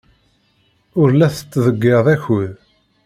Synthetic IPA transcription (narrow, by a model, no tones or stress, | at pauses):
ʊɾlæθə̥t͡sːðəɡːeðˤæçəð